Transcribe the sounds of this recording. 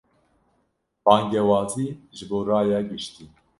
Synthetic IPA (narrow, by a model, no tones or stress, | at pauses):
bɑːŋɡɛwɑːt̪ʰiːʒɨboːɾɑːjɑɡɨʃt̪iː